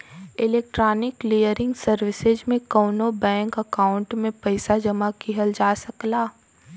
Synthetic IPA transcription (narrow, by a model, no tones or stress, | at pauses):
ɪleːk̚ʈɾaːnɪklijəɾɪ̃ŋɡsɐɾʋɪsed͡ʒmẽkɔːnobɛ̃ːŋkɐkaːʊ̃ɳʈmẽpɐɪsad͡ʒɐmakiɦəld͡ʒaːsɐklaː